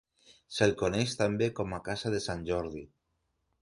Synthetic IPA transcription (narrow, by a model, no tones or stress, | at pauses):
selkoneʃt̪ambekɔmakasaðesanʲʒɔɾði